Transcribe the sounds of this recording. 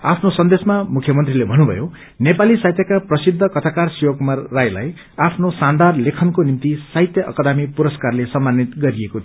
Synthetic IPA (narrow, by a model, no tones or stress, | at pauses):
apʰnosʌnd̪esmamukʰjʌmʌnt̪rilebʱʌnːubʱʌ̰jo | nepalisajt̪jʌkaprʌsid̪ʱːʌkʌt̪ʰakarsiwokumarːajla̰j | apʰnosand̪arlekʰʌnkonint̪isajt̪jʌʔʌ̰kʌd̪amipuɾʌskarlesʌmːanːit̪ɡʌɾieko